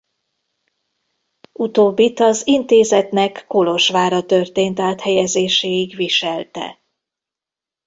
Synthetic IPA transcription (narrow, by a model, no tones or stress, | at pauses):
ut̪oːbːit̪ɒzint̪eːzɛt̪nɛkːolo̞ʃʋaːɾɒt̪ørt̪eːnt̪aːt̪hɛjɛzeːʃeːiɡʋiʃɛlt̪ɛ̰